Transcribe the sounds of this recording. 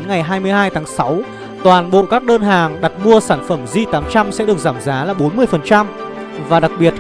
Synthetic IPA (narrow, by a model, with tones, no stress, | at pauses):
nŋa˨˩jɦaː˧jmɨ˧əjɦaː˧jt̪ʰaː˨˦ŋsa˨˦w | t̪waː˨˩nɓo̰˧˨kaː˦˥k̚ɗəː˧nɦaː˨˩ŋɗa˨˩t̚mu˧əsaː˧˩nfə˧˩mzi˧t̪aː˨˦mt͡ɕa˧msɛ̰˧˥ɗɨ˨˩ək̚zaː˧˩mzaː˨˦laː˨˩ɓo˨˦nmɨ˧əjfə˨˩nt͡ɕa˧m | vaː˨˩ɗa˨˩k̚ɓi˨˩ət̚